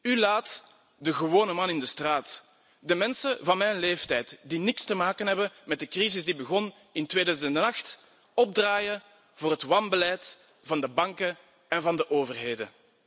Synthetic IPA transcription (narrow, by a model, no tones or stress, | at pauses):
ylaːt | dəɣəwoːnəmɑnɪndəstraːt | dəmɛnsəvɑnmɛjnleːftɛjtdinɪkstəmaːkənɦɛbənmɛt̚dəkrizɪzdibəɣɔn | ɪntweːdœːzəndnənɑxt | ɔb̚draːjə | voːrɦətwɑnbəlɛjt | vɑndəbɑŋkə | ɛnvɑndəʔoːvərɦeːdən